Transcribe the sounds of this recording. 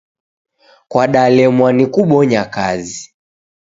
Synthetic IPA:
kwaɗalɛmwanikuɓɔɲakazi

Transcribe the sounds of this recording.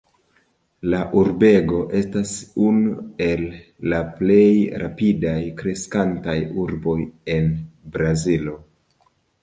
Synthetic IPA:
laʔuɾbe̞ɡo̞ʔe̞stasunue̞lː | aple̞jɾʔapidajkɾe̞skantajuɾbo̞je̞nbɾazilo̞

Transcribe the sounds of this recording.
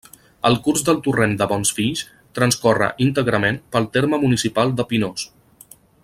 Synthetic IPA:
ə̰lˠkuɾzd̪əlˠt̪urend̪əβɔnsfiʎs | t̪ɾənskɔrə̰ʔint̪əɣɾəmenpəlˠt̪eɾməmunisipalˠd̪əpinos

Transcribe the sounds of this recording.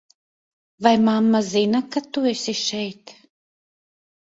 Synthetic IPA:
vajmamːazinakat̪uɛsiʃɛjt̪

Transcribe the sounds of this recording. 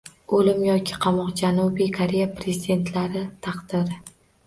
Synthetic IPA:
olɪmjɒkʲʰɪ̥qʰɑmɒqd͡ʒanubijkʰaɾe̞japɾezid̪e̞nt̪ʰlaɾɪt̪ʰɑqd̪̥ɪɾɪ

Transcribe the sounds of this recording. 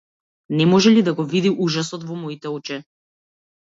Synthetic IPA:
nɛmɔʒɛlid̪aɡɔvid̪iʔuʒasɔt̪vɔmɔit̪ɛɔt͡ʃɛ

